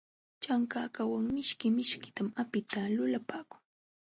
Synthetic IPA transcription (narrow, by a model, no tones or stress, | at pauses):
t͡ʃaŋkaːkawaŋmɪʃkɪmɪʃkɪ̥t̪amapɪt̪alʊlapaːkʊ̥ŋ